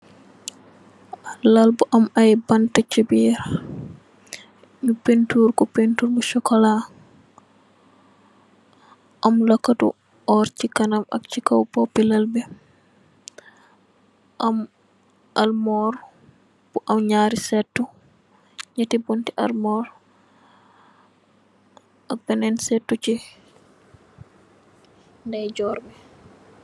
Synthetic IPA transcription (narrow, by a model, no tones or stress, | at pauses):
lalbuʔamajbantat͡ʃibiɾ | ɲupentuɾkɔpentuɾbɔʃɔkɔla | ʔamlakːatṵ | ʔɔɾt͡ʃikanama̰kt͡ʃikawpopilalbɛ | ʔam | ʔalmɔɾ | b̥uʔamɲaːɾisɛtːu | ɲatibontiʔa̰lmɔːɾ | ʔak̚bɛnɛnsɛtːut͡ʃi | ndajd͡ʒɔɾbɛ